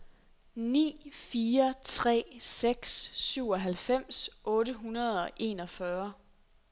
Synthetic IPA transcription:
nḭːfiːɐt͡sʰʁɛ̰ːseɡ̥sːyʊ̰ɒ̽ɦælfem̰sʔɔ̽ːɾəɦunɐð̞ˠɒ̽ʔe̝nɒ̽fɶɐ

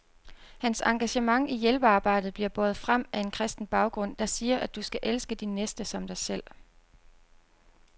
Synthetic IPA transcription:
hænsɑ̈ŋɡ̥æɕəmɑ̈ŋijelb̥əɑ̈ːb̥ɑ̈ɪ̰d̥ð̩ˠb̥liɐb̥ɒ̽ːð̩ˠfʁam̰æe̝nkʰʁɛsd̥n̩b̥ɑ̈ʊɡ̥ʁɔ̽n̰d̥ɑ̈siːɐʔæd̥usɡ̥æʔelsɡ̥əd̥inːesd̥əsɒ̽md̥ɑ̈ɪsel̰

